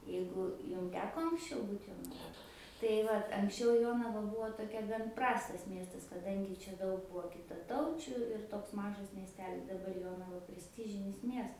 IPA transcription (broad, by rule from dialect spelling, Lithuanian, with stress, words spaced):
ˈjɛɪɡʊ ˈjʊm ˈtʲæːkoː ɐŋksʲˈt͡ʃʲɛʊ ˈbuːt joːnɐˈʋoːj tɐɪ ˈʋɐt ɐŋksʲˈt͡ʃʲɛʊ ˈjoːnɐʋɐ ˈbʊʋoː toːˈkʲɛ ɡɐn ˈprɑːstɐs ˈmʲiɛstɐs kɐˈdɐŋʲɡʲɪ ˈt͡ʃʲɛ ˈdɐʊk ˈbuɔ kʲɪtɐˈtɐʊt͡ʃʲʊ ɪr ˈtoːks ˈmɑːʒɐs mʲiɛsʲˈtʲæːlʲɪs dɐˈbɐr ˈjoːnɐʋɐ pʲrʲɛsʲˈtʲɪʒʲɪnʲɪs ˈmʲiɛs